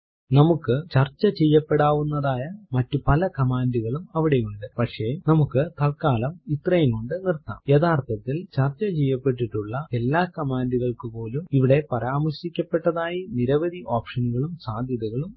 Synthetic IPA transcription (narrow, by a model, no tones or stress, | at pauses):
nɐmukːɨt͡ɕɐrt͡ɕːɐt͡ɕejːɐpːe̞ɽaːʋunːɐðaːjɐmɐtːupɐlɐkɐmaːnduɣɐɭumɐʋiɽe̞juɳɖɨpɐkʂe̞ːnɐmukːɨt̪ɐɭkaːlɐmit̪rɐjɐŋuɳɖɨnirt̪ːa̰ːmjeðaːrt̪ʰɐt̪ːilt͡ɕɐrt͡ɕːɐt͡ɕe̞jːɐpːe̞ʈːiʈːuɭːɐelːaːkɐmaːnduɣɐɭkɨpo̞ːlumiʋiɽe̞pɐɾaːmɐrɕikʲːɐpːe̞ʈːɐðaːjiniɾɐʋɐd̪ʱiʔoːpʂɐnuɣɐɭumsaːd̪ʱjɐðuɣɐɭum